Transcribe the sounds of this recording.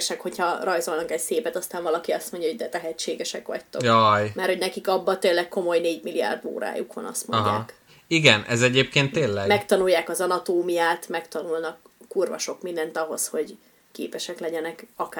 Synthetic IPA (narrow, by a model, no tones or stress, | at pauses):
ʃɛkho̞chɒrɒjzo̞lnɒkɛcseːpɛt̪ɒst̪aːɱvɒlɒkiɒst̪mo̞ɲɟɒɦoɟd̪ɛt̪ɛɦɛt͡ʃːeːɡɛʃɛkʋɒ̰ct̪ojojmɛrho̞ɟnɛkikɒbːɒt̪eːlːɛkko̞mo̞jneːɟmilija̰ːrd̪o̰ːɾa̰ːjṵkʋɒ̰nɒ̰st̪mo̰ɦaːk | iɡɛnʔɛzɛɟeːp̚keːnt̪ːeːlːɛmɛkt̪ɒnujːaːkɒzɒnɒt̪oːmijaːt̪mɛkt̪ɒnulnɒkː | uːrvɒ̰ʃo̞kmind̪ɛnt̪ɒɦo̞sho̞ɟ | kḛːpɛʃɛklɛɟɛnɛkɒka